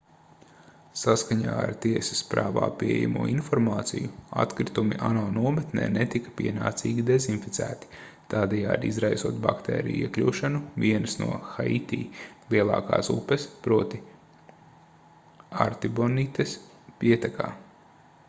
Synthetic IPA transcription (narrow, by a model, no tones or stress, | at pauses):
saskaɲaːa̰ɾt̪iɛsɐ̥spɾaːʋa̰ːpiɛɛ̰ja̰mṵːinfɔɾmaːt̪sijua̰t̪kɾit̪umiʔanɔːnuɔmɛt̪nɛ̰ːnɛt̪ikɐ̥piɛnaːt̪siːɡid̪ɛzinfit̪sæːt̪i̥ | t̪aːd̪ɛja̰ːd̪ḭzɾajsuɔt̪ba̰kt̪ɛ̰ːɾḭjuiɛklʲuːʃanuviɛnsnṵɔxait̪iːlˠiɛlˠɑ̰ːka̰ːsṵpɛspɾuɔt̪i | aɾt̪ibɔnit̪es | piɛt̪ɛka̰ː